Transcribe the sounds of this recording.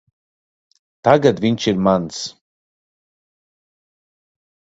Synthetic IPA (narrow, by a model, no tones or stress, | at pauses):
t̪aɡad̪vʲiɲʲt͡ʃiɾmans